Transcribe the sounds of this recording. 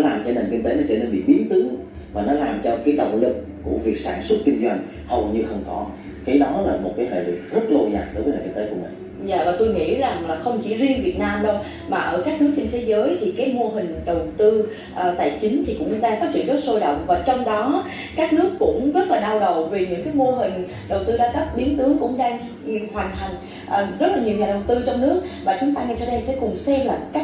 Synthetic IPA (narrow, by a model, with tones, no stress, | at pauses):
laː˨˩mt͡ɕɔ˧ne˨˩nki˧ŋ̟t̪e˨˦nɔ˨˦t͡ɕəː˧˩ne˧nɓḭ˧˨ɓi˨˦ənt̪ɨ˨˦ŋ | vaː˨˩nɔ˨˦laː˨˩mt͡ɕɔ˧kaː˨˦jɗə̰˧˨wŋ͡mlɨ˨˩k̚ | ku˧˩əvi˨˩ək̚saː˧˩nswə˦˥t̚ki˧ŋzwa˧jŋ̟ | hə˨˩wɲɨ˧xə˧wŋ͡mkɔ˨˦ | kaː˨˦jɗɔ˨˦laː˨˩mo˨˩t̚kaː˨˦jhḛ˧˨lḭ˨˩k̚zə˦˥t̚lo˧za̰ː˨˩ŋɗo˨˦jvə˨˦ne˨˩ki˧ŋt̪ːku˧˩mï˨˩ŋ | za̰ː˧˨vaː˨˩t̪o˧jŋḭ˧˥za˨˩ŋlaː˨˩xə˧wŋ͡mt͡ɕi˧˩zi˧ənvi˨˩ət̚naː˧mɗo˧ | maː˨˩ʔəː˧˩kaː˦˥k̚nɨ˦˥ək̚t͡ɕe˧nt̪ʰe˨˦zəː˨˦jt̪ʰi˨˩kaː˨˦jmo˧əɦï˨˩ŋ̟ɗə˨˩wt̪ɨ˧ | ʔəː˨˩t̪a̰ː˧˨jt͡ɕï˨˦ŋ̟t̪ʰi˨˩kʊ̰˧˥ŋ͡mɗaː˧ŋfaː˦˥t̚t͡ɕi˧ənzə˦˥t̚so˧jɗə̰˨˩wŋ͡mvaː˨˩t͡ɕɔ˧wŋ͡mɗɔ˨˦ | kaː˦˥k̚nɨ˦˥əkːʊ̰˧˥ŋ͡mzə˦˥t̚laː˨˩ɗaː˧wɗə˨˩wvi˨˩ɲɨ̰˧˥ŋkaː˨˦jmo˧ɦï˨˩ŋ̟ | ɗə˨˩wt̪ɨ˧zaː˧k̪ə˦˥p̚ɓi˨˦ənt̪ɨ˨˦əŋkʊ̰˧˥ŋ͡mɗaː˧ŋ | hwa˨˩jŋ̟ɦa˨˩ŋ̟ | ʔəː˨˩zə˦˥laː˨˩ɲi˨˩əŋɲaː˨˩ɗə˨˩wt̪ɨ˧t͡ɕɔ˧wŋ͡mnɨ˦˥ək̚maː˨˩t͡ɕʊ˨˦ŋ͡mt̪aː˧ŋa˨˩sa̰ː˧˩ɗə˧jsɛ̰˧˥kʊ˨˩ŋ͡msɛ˧mlaː˨˩ka˦˥